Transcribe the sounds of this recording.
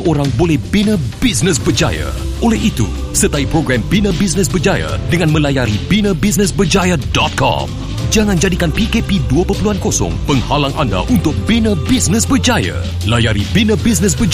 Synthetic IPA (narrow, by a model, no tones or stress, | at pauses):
ʔoɾaŋbolɛhbinə̃bisnəs̬bəd͡ʒa̰ja̰ | ʔolɛhit̪ṵ | sət̪aipɾoɡɾambinə̃bis̬nə̃s̬bəd͡ʒaja̰dəŋãnmə̃lajaɾibinə̃bis̬nə̃sbərd͡ʒajadɔt̪̚kɔ̰m | d͡ʒaŋãnd͡ʒadikanpikepiduapəpəluankosɔ̰ŋpəŋhalaŋʔanda̰ʔunt̪ʊk̚binə̃bisnə̃sbəd͡ʒaja̰ | lajaɾibinə̃bis̬nə̃s̬bəd͡ʒ